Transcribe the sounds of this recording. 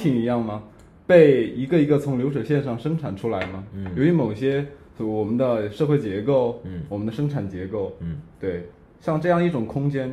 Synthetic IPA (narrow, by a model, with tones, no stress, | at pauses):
i˧˩ŋi˧˥jɑ˥˩ŋmɐ˩ | pe˥˩ɪi˧˥ɡə˧i˧˥ɡə˧t͡sʰʊ˧˥ŋljo˧˥ʊʂɤ˨˩ɕjɛ˥˧nʂɑ˥˩ŋʂɤ˥ŋʈ͡ʂʰa˨˩nʈ͡ʂʰu˥la˧˥ɪmɐ˨jo˨˩ʊy˧˥mo˨˩ʊɕjɛ˥˧ | wɔ˨˩mə˦nd̪ə˧ʂɤ˥˧xwe˥˩ɪt͡ɕjɛ˧˥ko˥˩ʊwɔ˨˩mə˦nd̪ə˧ʂɤ˥ŋʈ͡ʂʰa˨˩nt͡ɕjɛ˧˥ko˥˩ʊt̪we˥˩ɪ | ɕjɑ˥˧ŋʈ͡ʂɤ˥˧jɑ˥˧ŋ˧˩i˥˩ʈ͡ʂʊ˨˩ŋkʰʊ˥ŋt͡ɕjɛ˥n